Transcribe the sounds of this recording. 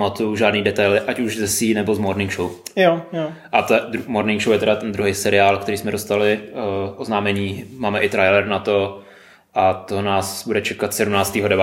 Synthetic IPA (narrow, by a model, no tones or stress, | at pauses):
mat̪ujuʒaːdniːdɛt̪ajlɪʔacuʒzɛsiːnɛbozmoɾnɪŋkʃowjojoʔat̪d̪ɾumoɾnɪŋkʃowjɛt̪ɛdat̪ɛnd̪ɾuɦɛjsɛɾɪaːlkt̪ɛɾiːsmɛdost̪alɪʔoznaːmɛɲiːmaːmɛʔɪt̪ɾajlɛɾnat̪o̞ | ʔat̪onaːsbudɛt͡ʃɛkat̪sɛdumnaːt͡st̪iːɦodɛba